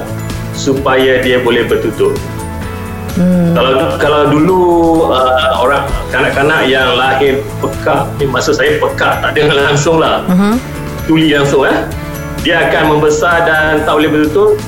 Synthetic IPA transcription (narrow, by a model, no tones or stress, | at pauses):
supajadiabolɛhbərt̪ut̪ʊt̚ | kalawkalawduluəo̰ɾaŋəkanaʔkanaʔjaŋlaɦɪnpəkahimasʊʔsajapəkaht̪aʔdəŋanlaŋsʊŋlah | t̪ulilaŋsʊŋah | diaːkanmə̃mbəsardant̪aʔbolɛhbərt̪ut̪ʊt